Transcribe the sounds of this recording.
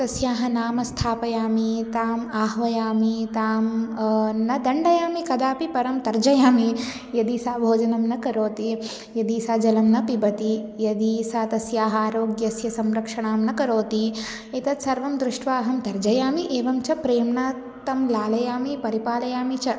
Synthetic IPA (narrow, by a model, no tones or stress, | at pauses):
t̪ɐsjaːɦɐnaːmɐst̪ʰaːpɐjaːmit̪aːmaːɦʋɐjaːmit̪aːm | nɐd̪ɐɳɖɐjaːmikɐd̪aːpipɐɾɐmt̪ɐɾd͡ʒɐjaːmi | jɐd̪iːsaːbʱoːd͡ʒɐnɐmnɐkɐɾoːt̪i | jɐd̪iːsaːd͡ʒɐlɐmnɐpibɐt̪ijɐd̪iːsaːt̪ɐsjaːɦɐaːɾoːɡjɐsjɐsɐmɾɐkʂɐɳaːmnɐkɐɾoːt̪i | it̪ɐt̪sɐɾʋɐmd̪ɾuʂʈʋaːɦɐmt̪ɐɾd͡ʒɐjaːmiʔeːʋɐmt͡ʃɐpɾeːmɳaː | t̪ɐmlaːlɐjaːmipɐɾipaːlɐjaːmit͡ʃɐ